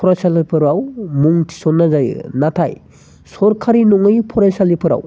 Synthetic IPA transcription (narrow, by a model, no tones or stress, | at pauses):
pʰɔɾajsalɯpʰɯɾawmuŋtʰi̥sɔnːazajnatʰaj | sɔɾkʰaɾinɔŋɯjpʰɔɾajsalipʰɯɾa̰w